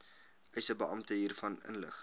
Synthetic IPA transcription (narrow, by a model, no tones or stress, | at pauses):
œɥsəbəɐmtəɦiːrfɐnə̰nlə̰χ